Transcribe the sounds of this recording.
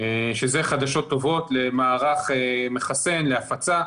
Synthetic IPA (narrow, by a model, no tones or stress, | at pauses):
eʃeze̞χad̪aʃo̞t̪ːo̞vo̞t̪le̞maːʁaχeme̞χase̞nleafat͡sa